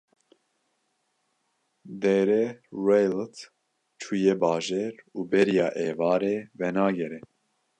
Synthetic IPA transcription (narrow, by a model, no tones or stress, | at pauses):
d̪ɛɾɛɾɛjlt̪ | t͡ʃʰujeːbɑːʒeɾuːbɛɾijɑːʔeːvɑːɾeːvɛnɑːɡɛɾɛ